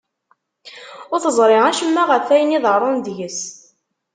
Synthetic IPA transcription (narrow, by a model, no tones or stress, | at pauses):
ʊɾθəzˤɾˤɪʁæʃəmːæʁəfæjəniðəɾˤond̪jəs